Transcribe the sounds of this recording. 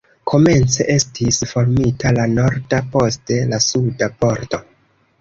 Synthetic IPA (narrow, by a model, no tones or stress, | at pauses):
kʰo̞me̞nt͡se̞̰ʔe̞stʰisfo̞ɾmitalano̞ɾdapo̞ste̞lasudapo̞ɾto̞